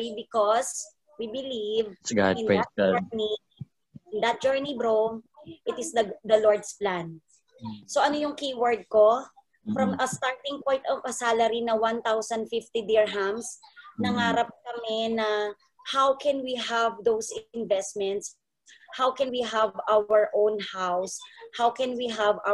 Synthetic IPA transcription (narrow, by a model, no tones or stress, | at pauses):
bɪkɔs | wibɪlivsɡa̰ɪ̃nɛɛni | ɪnd̪ɐt̪̚d͡ʒ̥ɛɹnibɾomʔɪt̪ɪsd̪ɐd̪ɐlɔɹd̪splãn | soʔɐnojʊŋkiwəɹd̪̚ko | fɾɐmɐst̪aɹt̪ɪ̃ŋkwajt̪ɐŋkɐsaːlɐɾinɐwant̪awsɐnd̪fift̪id̪iɹɦamsnɐŋaːɾɐp̚kɐmɛnɐ | hawkʰɛnwiɦavd̪owsɪnvɛst̪̚mɛnt̪s | hawkɛnwiɦɐvaɛɹʔõwnhawshawkɛnwiɦɐva